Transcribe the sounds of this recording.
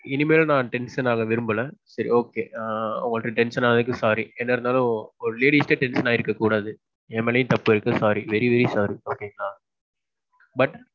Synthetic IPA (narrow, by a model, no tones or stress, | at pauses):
ɪnɯmeːl̃nãːʈɛnsɐnaːɣɐʋɪɾɯmbɯlɛ̃sɐɾḭoːkeːʊ̰ŋɡɐɭɯʈːɯʈɛnʂɐnaːnɐðɯk̬ːɯsaːɾiɛnːɐɾɯnd̪aːlʊ̃ɔɾɯleːɽiːsʈeʈɛnsɐnaːɪɾɯkːɐkːuːɽaːðɯ | ɛmɛlɐjɯ̃t̪ɐpːɯɪɾɯkːɯsaːɾiʋɛɾiʋɛɾisaːɾioːkːeŋaː | bɐʈ